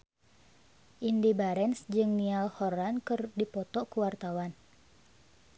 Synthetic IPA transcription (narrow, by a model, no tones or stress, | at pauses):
ʔindibaɾɛnsd͡ʒɨŋnialhɔrankɨrdipɔt̪ɔkuwart̪awan